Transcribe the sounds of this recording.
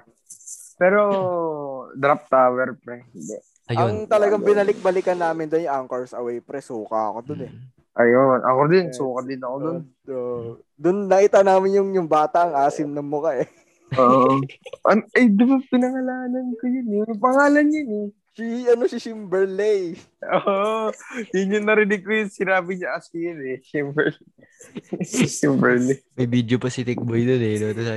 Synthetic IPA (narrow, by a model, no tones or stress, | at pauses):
pɛːɾo | d̪ɾap̚t̪aːwɛɾpɾɛnd̪ɛ | jɐŋt̪ɐlɐɡaŋbɪnɐlɪk̚bɐlɪkɐnːaːmɪnd̪onjʊŋʔaŋkɐɹsɐ̰wɛjpɾɛsuːkɐ̰ɐ̰ko̞d̪onɛ | ʔɐjonʔɐ̰kod̪ɪɐŋsuːkɐd̪ɪnɐkod̪on | oʔ | d̪ʊnːɐʔɪt̪anaːmɪnjʊŋjʊŋbaːt̪ɐʔɐŋʔaːsɪmnɐŋmʊkɐʔɛ | oʔʔɐnʔɐjd̪ɐbɐpɪnɐŋɐlaːnɐnkɐjʊnɛjʊŋpɐŋaːlɐnjɐnɛ | siʔɐnosɪsimbɛɹlej | ʔoʔjʊnjʊŋnɐɾɪnɪɡ̚kːʊjʊnsɪnaːbɪɲɐʔɐsɪjɐnɛʃimbɛɹl | ʃimbɛɹlemɐjbid̪jopɐsit̪ɪk̚bojd̪onɛnot̪ɐs